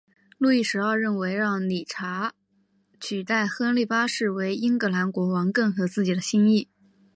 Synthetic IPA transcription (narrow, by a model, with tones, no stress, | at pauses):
lu˥˧i˥˩ʂɻ̩˧˥ɑ˥˧ʊɻə˥˩nwe˧˥ɪɻɑ˥˩ŋni˨˩ʈ͡ʂʰa˧˥ | t͡ɕʰy˨˩t̪a˥˩ɪxɤ˥˧nli˥˩pa˥ʂɻ̩˥˩we˧˥ɪi˥ŋkɤ˧˥la˧˥nkwɔ˧˥wɑ˧˥ŋkɤ˥˩nxɤ˧˥t͡sɹ̩˥˩t͡ɕi˨˩d̪ə˦ɕi˥ŋi˥˩